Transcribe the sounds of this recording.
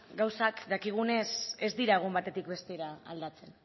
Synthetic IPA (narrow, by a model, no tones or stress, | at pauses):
ɡawsakd̪akiɣ̞une̞sezd̪iɾaɣ̞umbat̪e̞t̪ik̚best̪eɾaa̰ld̪at͡se̞n